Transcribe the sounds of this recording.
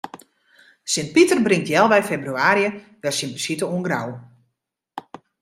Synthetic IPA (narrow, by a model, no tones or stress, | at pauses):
sɪnt̚pitərbrɪŋtjɛlˠʋɛjfebryaːɾjə | ʋɛsimplisitəuənɡraw